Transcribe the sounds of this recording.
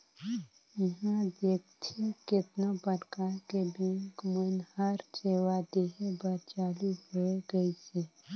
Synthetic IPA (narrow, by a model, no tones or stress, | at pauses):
ɪɦãd̪eːk̚t̪ʰikɪt̪nobəɾkakebẽŋkmənhəɾseːwad̪eːɦebəɾt͡ʃaːluɦoeɡəise